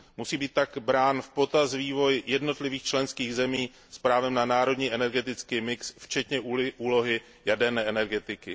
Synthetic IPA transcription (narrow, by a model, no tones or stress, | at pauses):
musiːbiːt̪̚t̪ːaɡbɾaːnfpo̞t̪asviːvo̞jjɛdno̞t̪lɪviːxt͡ʃlɛnskiːɣzɛmiː | spɾaːvɛmnanaːɾo̞dɲiːʔɛnɛɾɡɛt̪ɪt͡skiːmɪksft͡ʃɛt̪ɲɛʔuuːlo̞ɦɪ | jadɛɾnɛːʔɛnɛɾɡɛt̪ɪkɪ